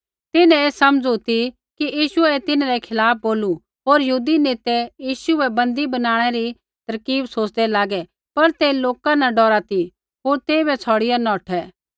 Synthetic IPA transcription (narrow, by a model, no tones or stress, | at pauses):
t̪ɪnɛ̃eːsɐmd͡zut̪i | kiʔjiːʃʊɛt̪ɪnaɾɛkʰɪlaːp̚ʰboːlu | ɦoːɾjəɦuːd̪ineːt̪ɛjiːʃuɛbɐ̃nd̪ibɐnaːɽ̃ɛɾi | t̪ɐɾkiːbsoːt͡ʃd̪ɛlaːɡɛ | pɐɾt̪eːloːkãnaɖɔːɾat̪i | ɦoːɾt̪eːibɛt͡sʰɔːɽɪjanɔ̃ːʈʰɛ